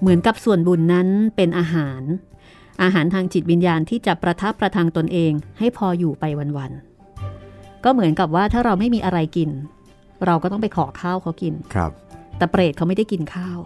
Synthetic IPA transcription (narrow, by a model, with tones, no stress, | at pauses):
mɯ˩˦nka˨˩p̚su˨˩ənbu˨˩nːa˦˥npe˧nʔaː˧ɦaː˩˦n | ʔaː˧ɦaː˩˦nt̪ʰaː˧ŋt͡ɕi˨˩t̪̚wi˧njaː˧nt̪ʰiː˥˩t͡ɕa˨˩pɾa˧t̪ʰa˦˥pːɾa˧t̪ʰaː˧ŋt̪o˧nʔeː˧ŋha˥˩jpʰɔː˧juː˨˩pa˧jwa˧nwa˧n | kɔː˥˩mɯ˩˦ənka˨˩p̬̚waː˥˩t̪ʰaː˥˩ɾa˧wma˥˩jmiː˧ʔa˧ɾa˧jki˧n | ɾa˧wkɔː˥˩t̪ɔ˥ŋpa˧jkʰɔː˩˦kʰaː˥˩wkʰa˦˥wki˧n̰ʰ˧p̚t̪ɛː˨˩pɾeː˨˩t̪̚kʰa˦˥wma˥˩jda˥˩jki˧nkʰaː˥˩w